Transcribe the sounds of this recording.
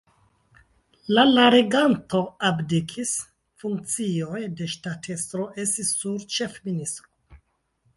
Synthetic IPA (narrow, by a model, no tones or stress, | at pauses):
lalaɾeɡanto̞abdikʰis | fuŋk̚t͡sio̞jde̞ʃtatʰe̞stɾo̞ʔe̞stisːuɾt͡ʃe̞fministɾo